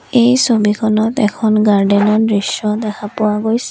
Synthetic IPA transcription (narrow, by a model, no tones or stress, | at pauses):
ejsobikʰɔnɔtɛkʰɔnɡaɹdɛnɔdɹisɔdɛkʰapʊwaɡojsɛ